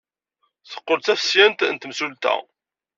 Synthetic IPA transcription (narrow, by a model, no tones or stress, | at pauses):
θə̥qːoɾt͡sæfsjænt̪nt̪msult̪æ̰